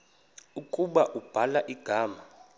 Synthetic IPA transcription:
ukʼuɓaʔub̥ʱalaʔiɡ̥ʱaːma

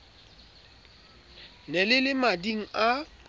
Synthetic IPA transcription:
nɛlɪlɪmadiŋ̩a

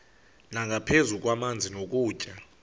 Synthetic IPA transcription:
naŋɡʱapʰezuk̬ʼwamand͡zʱinok̬ʼuːt͡ʃʼa

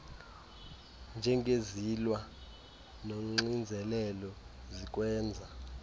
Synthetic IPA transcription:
nd͡ʒʱɛŋʱezilwa | noŋ͡ǀind͡zʱɛlɛlɔ | zik̬ʼwɛːnd͡zʱa

